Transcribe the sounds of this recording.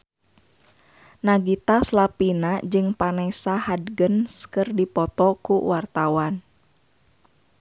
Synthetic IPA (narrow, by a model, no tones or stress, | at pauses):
naɡit̪aslapinad͡ʒɨŋpanɛsahadɡənskɨrdipɔt̪ɔkuwart̪awan